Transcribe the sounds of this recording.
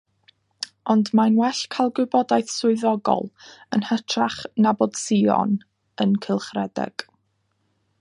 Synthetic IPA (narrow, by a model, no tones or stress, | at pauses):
ɔndmanwɛɬkʰalˠɡwɪbɔdajθsʊɨðɔɡɔ̰lˠənhətʰraχnabɔd̥siɔ̰n | ənkʰəlˠχrɛdɛ̰ɡ̥